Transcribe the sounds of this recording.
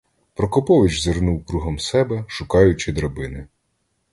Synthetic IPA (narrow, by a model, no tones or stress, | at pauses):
pɾɔkɔpɔʋɪt͡ʃzɪrnuwkɾuɦɐmsɛbɛʃʊkɑjʊt͡ʃɪd̪ɾɐbɪnɪ